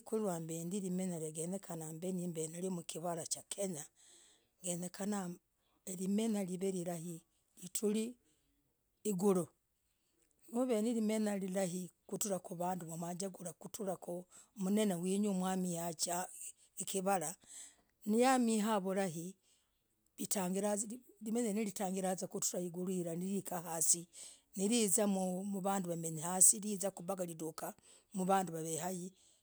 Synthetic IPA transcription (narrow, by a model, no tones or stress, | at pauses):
kuliɾwaːmbeːndiɾimenaɾeɡenekʰanambenimbeneɾimukʰiβaɾat͡ʃakʰeɲa | ɡenekʰana | eɾimenaliβeɾiɾahi | litʰuli | ɡuɾo | muβeniɾimenaliɾaɦikutuɾakuβaːnduβomwad͡ʒaɡuɾakutʰuɾako | mune̞newiːɲumwaːmihat͡ʃa | ekiβala | nijamiɦaβolaɦi | βitaːŋɡiɾalimenenilitaːŋɡiɾazakutuɾahiɡulwiːɾaniɾikahasi | niɾiːzamumuβaːnduβameɲihasilizakuβaɡaliduka | muβaːnduβaβehaji